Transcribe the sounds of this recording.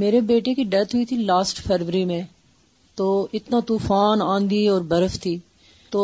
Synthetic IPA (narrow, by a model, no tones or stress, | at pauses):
meːɾebeːʈekiɖɛt̪ɦʊit̪ʰilaːsʈpʰɛːɾʋəɾimẽ | t̪oːɪt̪nat̪uːfaːnãːnd̪iɔːɾbɐɾəft̪ʰiː | t̪oː